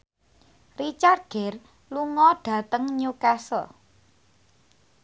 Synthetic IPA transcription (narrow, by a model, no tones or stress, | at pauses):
rit͡ʃar̚ɡ̥ɛ̤r | luŋɔɖ̥ä̤t̪əŋɲukasɔ̰